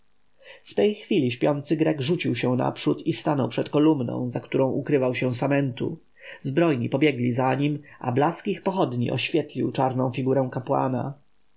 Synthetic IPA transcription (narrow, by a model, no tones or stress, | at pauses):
ft̪ɛjxfʲilʲiɕpʲjɔnt̪sɘɡɾɛɡʐut͡ɕiwɕɛw̃na̰pʂut̪ist̪anɔ̰wpʂɛt̪kɔlumnɔ̰̃w̃zakt̪uɾɔ̃w̃ʔukɾɘvawɕɛ̃w̃samɛnt̪ṵ | zbɾɔjɲipɔbʲjɛɡlʲizaɲimʔa̰blaskʲixpɔxɔd̪ɲḭʔɔ̰ɕfʲjɛt̪lʲiwt͡ʂaɾnɔ̃w̃fʲiɡuɾɛ̃w̃kapwa̰na̰